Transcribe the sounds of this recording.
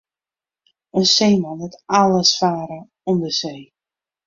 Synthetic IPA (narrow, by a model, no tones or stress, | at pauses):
ənseːmɔnətalˠəsfaːɾə | ɔmdəseː